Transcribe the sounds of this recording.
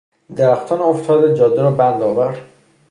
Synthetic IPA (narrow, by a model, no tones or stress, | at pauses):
d̪æɾæxt̪ʰɒːnoft̪ʰɒːd̪ed͡ʒɒd̪eɾɒːbænd̪ɒːvæɾd̪̥